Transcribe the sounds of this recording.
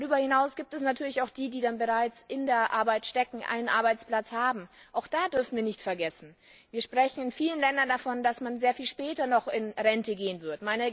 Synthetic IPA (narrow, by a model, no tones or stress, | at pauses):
dʁyːbɐhɪnaʊsɡ̥iːp̚tɛsnatʰyːɐlɪçaʊxd̥iːdiːdanbəʁaɪt͡sʔɪndeːɐʔa̰ɐbaɪtʃtɛkŋ̩ʔa̰ɪnənʔa̰ɐbaɪt͡splat͡shaːbm̩ʔaʊxd̥aːdʏɐfn̩viːɐnɪçtfɛɐɡɛsn̩ | viːɐʃpʁ̥ɛçn̩ɪnfiːlənlɛndɐndafɔndasmanzeːɐfiːlʃpɛːtɐnɔχɪnʁɛntəɡeːənvɪɐtmaɪnə